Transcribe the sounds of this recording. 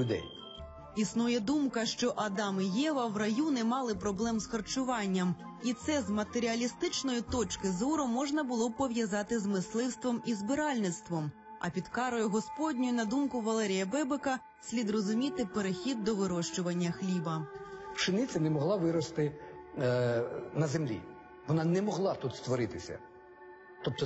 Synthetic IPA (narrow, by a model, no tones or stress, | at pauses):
ʊd̪ɛ̰j | isnujɛd̪umkɐʃt͡ʃɔʔɐd̪ɑmɪjɛʋɐwrɐjunɛmɑlˠɪpɾɔblˠɛmzxɐrt͡ʃʊʋɑnʲːɐm | it̪sɛzmɐt̪eɾʲiɐlʲist̪ɪt͡ʃnɔjit̪ɔt͡ʃkɪzɔɾʊmɔʒnɐbʊlˠɔpɔʋjɐzɑt̪ɪzmɪslˠɪwst̪ʋɔmizbɪɾɑlʲnɪt̪st̪ʋɔm | ɐ̰pʲid̪kɑɾɔjʊɦɔspɔdʲnʲɔjʊnɐd̪umkʊʋɐlˠɛɾʲijɐbɛbekɐ | sʲlʲid̪rɔzʊmʲit̪ɪpeɾexʲid̪̚ːɔʋɪɾɔʃt͡ʃʊʋɐnʲːɐxlʲibɐpʃɪnɪt͡sʲɐnɛmɔɦlˠɑʋɪɾɔst̪ɪ | nɐzemlʲḭ | ʋɔnɑnɛmɔɦlˠɑt̪ut̪st̪ʋɔɾɪt̪ɪsʲɐ̰ | t̪ɔp̚t̪ɔ